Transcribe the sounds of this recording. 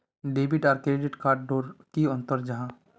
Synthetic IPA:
ɖeːbiʈaːɾkeeɖeʈkaːɾʈ̚ɖoːɾkiʊ̃nt̪əɾd͡ʒɐɦãː

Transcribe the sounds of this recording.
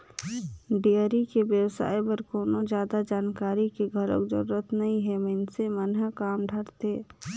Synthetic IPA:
ɖiəɾikeʋjəwsa̰ːipəɾkoːnod͡ʒjaːd̪ad͡ʒaːnkaːɾikiɡʱəɾo̰kd͡ʒə̰ɾuɾət̪nɐɦĩɦɛmənsemənɦəkaːmɖʱəɾt̪eː

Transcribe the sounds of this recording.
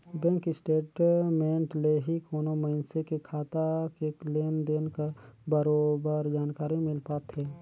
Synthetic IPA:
bɛ̃ːŋkɪsʈeːʈmẽːɳʈleɦikoːnoməɪnsekekʰaːt̪akekleːnd̪eːnkəɾbəɾoːbəɾd͡ʒaːnkaːɾimɪlpaːt̪ɦɛː

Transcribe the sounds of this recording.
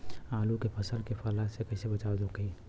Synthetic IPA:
aːlukepʰəsəlkefʰəlasekəɪsebət͡ʃaːwd͡ʒokəi

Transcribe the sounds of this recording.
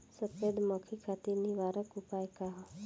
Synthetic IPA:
səped̪məkʰikʰat̪iniʋaːɾəkʊpaːjekaɦa

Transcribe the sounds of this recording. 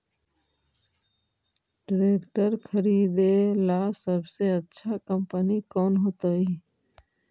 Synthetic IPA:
ɖɾekʈəɾkʰəɾid̪elasəbʱseətːʃʰakəmpənikɔːnɦoːt̪əi

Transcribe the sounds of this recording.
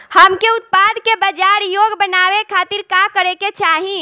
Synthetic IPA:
həmkeʊt̪̚paːd̪kebəd͡ʒaːɾjoɡbənaːʋekʰaːt̪iɾkakəɾeket͡ʃʰaːɦĩ

